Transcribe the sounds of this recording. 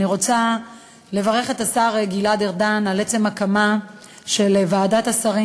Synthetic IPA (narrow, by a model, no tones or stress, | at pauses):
iʁo̞t͡sa | le̞vaʁe̞χe̞tasaʁeɡiladeʁdanalet͡se̞makama | ʃelvaːdatasaʁi